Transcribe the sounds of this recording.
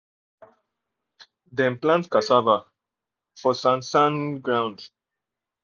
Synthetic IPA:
dɛ̃nplãntkasava | fɔsãnsãnɡɹãʊ̃nd

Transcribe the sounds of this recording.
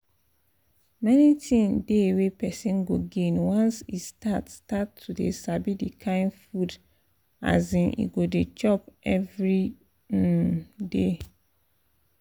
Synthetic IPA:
mɛnitʰĩndewepɛsĩnɡoɡẽnwɔ̃nsistatstatʰːudḛsabidikʰãɪ̃nfud | a̰zĩnʔḭɡodet͡ʃɔpʔɛvɹi | de

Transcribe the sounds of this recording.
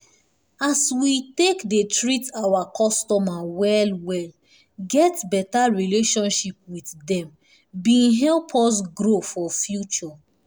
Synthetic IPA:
aswitekdetɹitawakʰɔstɔmawɛlwɛl | ɡɛtbɛtaɹileʃɔ̃nʃip̚witdɛ̃m | bĩnɦɛlpʰɔs̬ɡɾofɔfjut͡ʃɔ

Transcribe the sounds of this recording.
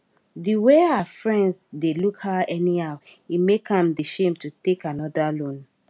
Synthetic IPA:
ðiweafɹɛ̃ndsdelukhaɛniaʊimekãmdiʃẽmtutekanɔdalõn

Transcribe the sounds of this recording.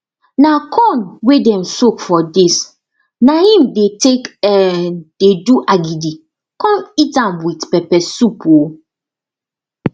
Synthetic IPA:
nakʰɔ̃nwedɛ̃msokfɔdis | nahĩmdetekɛd̥eduʔaɡidi | kɔ̃mitãmwitpɛpɛsupo

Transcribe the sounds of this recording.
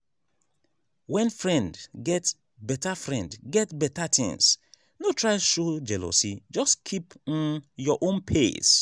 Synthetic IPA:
wɛ̃nfɾɛ̃ndɡɛt | bɛtafɾɛ̰̃ndɡɛtbɛtat̪ɪ̰̃ŋs | notɾaɪʃod͡ʒɛlo̰sid͡ʒɔskʰipn̩jɔʔõnpʰes

